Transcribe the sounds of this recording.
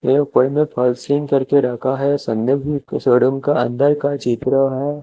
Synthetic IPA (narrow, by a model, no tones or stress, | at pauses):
eːʊpəɽmẽpʰɐlslɪ̃ŋkɐɾkeɾɐkʰaɦɛsɐ̃nːəbisəːɽəmkaɐ̰̃nd̪əɾkat͡ʃit̪ɾəɦɛː